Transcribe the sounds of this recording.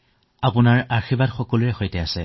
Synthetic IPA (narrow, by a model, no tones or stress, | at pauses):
apʊnaɹaɹxibadxɔkɔluɹɛxojtɛasɛ